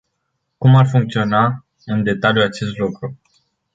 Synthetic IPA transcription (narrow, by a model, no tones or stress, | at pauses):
kumarfuŋkt̪sio̞na | ɨnd̪e̞t̪aljuat͡ʃe̞st̪lukɾu